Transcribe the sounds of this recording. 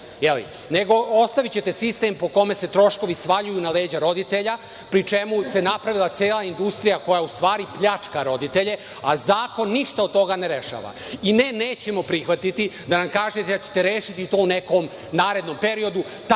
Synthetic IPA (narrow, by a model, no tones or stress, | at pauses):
jelḭ | neɡo̞ost̪aʋit͡ɕe̞t̪e̞sist̪e̞mpo̞ko̞me̞se̞t̪ɾo̞ʃko̞ʋisʋaʎujunaleːd͡ʑaɾo̞d̪it̪eʎa | pɾit͡ʂe̞muse̞napɾaʋilˠat̪seːlˠaind̪ust̪ɾijako̞jaust̪ʋaːɾipʎat͡ʂkaɾo̞d̪it̪e̞ʎe̞ | azaːko̞nːiʃt̪aod̪̚t̪o̞ɡaneɾe̞ʃa̰ːʋa̰ | ineneːt͡ɕe̞mo̞pɾixʋat̪it̪id̪anamkaːʒet̪eat͡ɕe̥t̪e̞ɾe̞ːʃit̪it̪o̞ːuneko̞m | naːɾe̞d̪no̞mpe̞ɾio̞d̪u | t̪